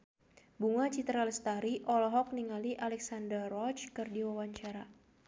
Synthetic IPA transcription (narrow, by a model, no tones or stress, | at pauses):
buŋat͡ʃit̪ɾalɛst̪aɾiʔɔlɔɦɔk̚niŋaliʔalɛksandərɔt͡ʃkɨrdiwawaɲt͡ʃaɾa